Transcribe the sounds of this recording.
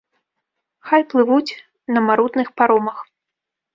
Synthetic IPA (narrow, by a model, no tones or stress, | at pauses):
xajplˠɨvut͡sʲ | nɐmaɾut̪nɨxpaɾɔmɐx